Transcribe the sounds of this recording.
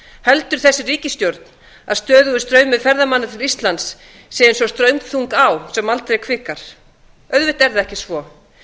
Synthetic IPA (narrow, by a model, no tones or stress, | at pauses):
hɛlt̪ʏɾ̥θɛsːɪriːcɪst̪jowɾt̪n | aðst̪œːðʏɣʏst̪ɾœːɥmɪðfɛɾðamanːat̪ʰɪɾist̪lant̪sː | ɪɪnsɔst̪ɾœɥmθuŋkawsɛmalt̪ɾejkʰvɪːkaɾ̥ | œɥðvɪht̪ɛɾðaɛhcɪsvɔ